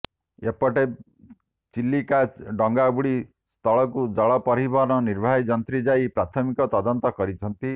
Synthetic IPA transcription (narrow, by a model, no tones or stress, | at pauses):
epɔʈe | t͡ʃilːikaɖɔŋɡabuɽi | st̪ʰɔɭɔkud͡ʒɔɭɔpɔɾibʱɔɾnɔniɾbʱaid͡ʒʌnt̪ɾid͡ʒajpɾat̪ʰɔmikɔt̪ɔd̪ɔnt̪ɔkɔɾit͡ʃʰʌnt̪i